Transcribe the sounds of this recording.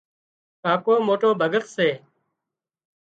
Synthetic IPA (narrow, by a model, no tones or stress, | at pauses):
kaːkoːmoːʈoːbʱəɡət̪seː